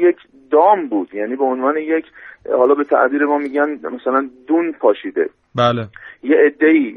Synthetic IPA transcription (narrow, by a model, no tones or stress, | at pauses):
jecʰ | d̪ɒːmbuːd̪̥jæːniːbeonvɒːnejecʰhɒːlɒːbe̞t̪ʰæ̰ʔbiːɾemɒːmiːɟænmæsælænd̪uːnpʰɒːʃiːd̪e̞̰ | baːlejeʔed̪ːe̞iː